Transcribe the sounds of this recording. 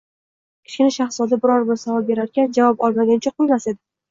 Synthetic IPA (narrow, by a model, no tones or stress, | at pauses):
kʲʰɪ̥t͡ʃkʲɪnaʃaχsɒd̪abɪɾɒɾbɪɾsavɒlbe̞ɾaɾkʲand͡ʒavɒpɒlˠmaɡʲant͡ʃʰaqʰojmase̞d̪ɪ